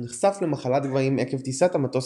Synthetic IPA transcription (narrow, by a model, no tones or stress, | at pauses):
niχsaflemaχalat̪̚ɡvaimekevt̪isat̪amat̪os